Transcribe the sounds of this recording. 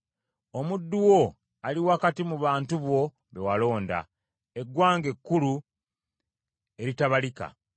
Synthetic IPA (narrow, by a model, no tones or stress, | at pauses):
o̞mudːuwo̞ | aliwakatimuβaːntuβwo̞ | βe̞walo̞ːnda̰ | e̞ɡwaːŋɡe̞kːulu | e̞ɾitaβalika̰